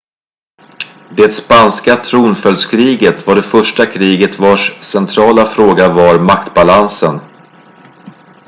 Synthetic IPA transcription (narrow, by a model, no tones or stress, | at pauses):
d̪eːt̪spanskat̪ʰɾuːnfœlskʰɾiːɡət̪vaɖɛfœʂʈakʰɾiːɡət̪vaʂsɛnt̪ʰɾɑːlafɾoːɡavaɾmakt̪balansən